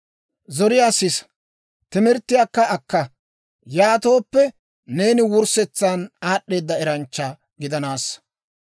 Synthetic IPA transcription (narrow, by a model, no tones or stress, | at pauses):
zɔɾɪjaːsɪs | t̪ɪmɛɾt̪ːɪjaːkːɐɐkːɐ | jaːt̪o̞ːpːɛ | ne̞ːnɪwʊɾsɛt͡sːanaːɗːe̞ːd̪ːɐɛɾɐnt͡ʃːɐ | ɡɪd̪ɐnaːs